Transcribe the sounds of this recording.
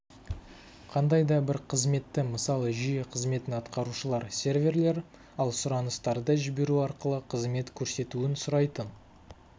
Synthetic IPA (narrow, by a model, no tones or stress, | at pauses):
qʰɑnd̪ɑjd̪ɑbɪɾqʰəzme̞t̪ːɪməsɑlˠəʒijeqʰəzme̞t̪ɪnɑt̪qɑɾuʃəlˠɑɾsʲe̞rvʲe̞rle̞ɾ | ɑlˠsʊɾɑnəst̪ɑɾd̪ɑʒɪbe̞ɾuɑɾqəlˠəqʰəzme̞t̪kʲʰɵɾse̞t̪uɪnsʊɾɑjt̪ən